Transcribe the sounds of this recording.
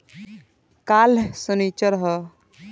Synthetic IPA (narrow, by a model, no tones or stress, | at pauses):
kalsənit͡ʃəɾɦɔ